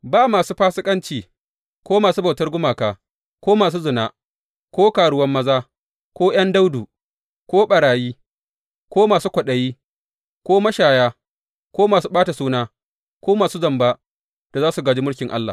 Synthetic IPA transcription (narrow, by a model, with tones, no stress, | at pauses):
baː˦maː˨suː˦ɸaː˦sɪ˦kʼɐ˦nt͡ʃiː˨ | kʷoː˦maː˨suː˦bɐ˨wtɐ˦rɡʷʊ˦maː˨kaː˨ | kʷoː˦maː˨s̬uː˦zʊ˨naː˦ | kʷoː˦kaː˨ɽʊ˦wɐ˦mːɐ˦zaː˦ | kʷoː˦j̰ɐ˦nda˦wduː˨ | kʷoː˦ɓɐ˨ɽaː˨jiː˦ | kʷoː˦maː˨suː˦kʷɐ˨ɗɐ˨jiː˦ | kʷoː˦mɐ˦ʃaː˨jaː˦ | kʷoː˦maː˨su˦ɓaː˦ta˨suː˦naː˦ | kʷoː˦maː˨suː˦zɐ˨mba˦ | d̥a˨zaː˦su˨ɡaː˨d͡ʒi˦mʊ˦ɽkʲɪ˨ŋʔa̰˦lːa̰˨